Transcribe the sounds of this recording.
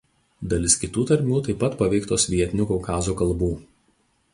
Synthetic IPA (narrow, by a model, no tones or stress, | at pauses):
d̪ɐlʲɪskʲɪt̪uːt̪ɐɾʲmʲuːt̪ɐɪpɐt̪pɐʋʲɛɪkt̪oːsʲʋʲiɛt̪ʲɪnʲuːkɔʊkɑːzoːkɐlˠbuː